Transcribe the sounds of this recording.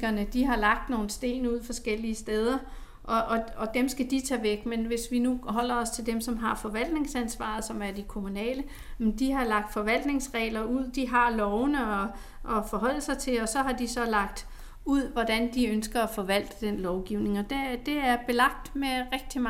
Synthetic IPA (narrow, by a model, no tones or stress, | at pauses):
ɡɐnəd̥iɦɑ̈lɑ̈ɡ̥̚d̥no̝ːn̩sd̥e̝̰ːnuð̞̰ˠfɒ̽sɡ̥el̰iəsd̥eːð̞ˠɐ | ʔɒ̽ʔɒ̽ɒ̽d̥emsɡ̥æd̥it͡sʰɛ̰ːʋeɡ̥menʋe̝sʋinuɦɒ̽l̰ɐɒ̽st͡sʰe̝ld̥emsɒ̽mɦɑ̈fɒ̽ʋæl̰d̥ne̝ŋsænsʋɑ̰̈ðˠsɒ̽mæɐd̥ikʰo̝munɛ̰ːlə | med̥iɦɑ̈lɑ̈ɡ̥̚d̥fɒ̽ʋæl̰d̥ne̝ŋsʁɛ̰ːlɐuð̰ˠd̥iɦɑ̈lɒʊnəɒ | ʔɒ̽fɒ̽ɦɒ̽l̰lsɑ̈ɪt͡sʰe̝lɒ̽sɒ̽ɦɑ̈d̥isɒ̽lɑ̈ɡ̥d̥ | uð̰ˠʋɒd̥ænd̥iønsɡ̥ɐæfɒ̽ʋæl̰d̥əd̥enlɒʊɡ̥iʊne̝ŋɒ̽d̥ed̥e̝æɐb̥e̝lɑ̈ɡ̥̚d̥meʁɛɡ̥̚d̥i